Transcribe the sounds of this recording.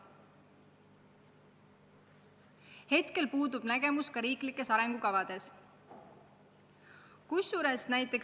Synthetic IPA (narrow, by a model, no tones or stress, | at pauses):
he̞t̪ke̞lpuːd̪ub̥næɡ̥e̞muskɑɾiːklikːˑe̞sɑɾe̞ŋɡ̥ukɑvɑd̪̥e̞s | kujsːuɾesnæjt̪ːˑe̞k